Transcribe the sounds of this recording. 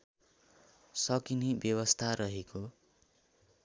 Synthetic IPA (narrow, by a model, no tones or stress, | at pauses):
sʌkinibjʌwʌst̪ʰaɾʌɦeko